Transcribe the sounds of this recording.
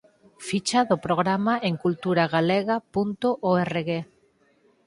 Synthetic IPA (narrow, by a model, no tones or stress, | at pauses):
fit͡ʃaðʊpɾoɣɾamaʔeŋkult̪uɾaɣaleɣapunt̪oʔoereɣe